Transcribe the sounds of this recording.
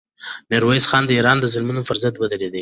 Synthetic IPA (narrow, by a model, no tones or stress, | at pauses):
meɾwaisxɑnd̪əiɾɑnd̪əzɪlmunofʊɾzant̪wəd̪əɾed̪i